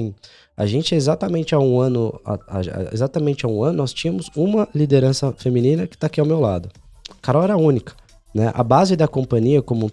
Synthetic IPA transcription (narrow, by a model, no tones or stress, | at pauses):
ĩ | a̰ʒẽnt͡ʃɪezat̪ɐmẽnt͡ʃɪaũɐ̃nʊa̰a̰ḛzat̪ɐmẽnt͡ʃɪaũɐ̃nʊnɔst͡ʃĩɲɐ̃mʊzũmɐlid̪eɾɐ̃sɐfemĩnĩnɐkɪ̥t̪akiawmewlad̪ʊ | kaɾaɛɾɐũnikɐ̥ | nɛʔɐ̰bazɪd̪ɐkõmpɐ̃ɲiɐkõmũ